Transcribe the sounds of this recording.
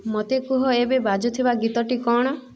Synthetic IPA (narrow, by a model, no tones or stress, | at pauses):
mot̪ekuɦɔebebad͡ʒɔt̪ʰibaɡit̪ɔʈikɔɽ̃ɔ